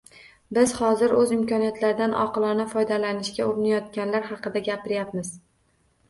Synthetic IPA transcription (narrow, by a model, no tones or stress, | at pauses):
bɪz̥hɒzɪɾɵzɪmkʲʰɒnijat̪ʰlaɾɪd̪anʔɒ̰qɨlˠɒnafɒjd̪alanɪʃkʲaʊɾɪnajɒt̪̚kʲanlaɾɦɑqɨd̪aɡʲapɪɾjap̚mɪz̥